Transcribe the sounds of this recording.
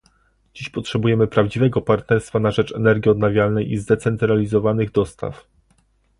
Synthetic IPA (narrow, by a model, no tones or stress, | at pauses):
d͡ʑiɕpɔtʂɛbujɛmɘpɾavd͡ʑivɛɡɔpaɾt̪nɛɾst̪fanaʐɛt͡ʂɛnɛɾɡʲiɔd̪navʲjalnɛjʔizd̪ɛt̪sɛnt̪ɾalʲizɔvanɘɣd̪ɔst̪a̰f